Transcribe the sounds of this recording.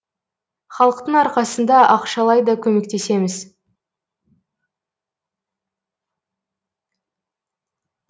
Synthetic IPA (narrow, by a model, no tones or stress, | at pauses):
χɑlˠəqt̪əɴɑɾqɑsənd̪ɑʔɑqʃɑlˠɑjd̪ɑkʲʰɵme̞kt̪e̞se̞mɪz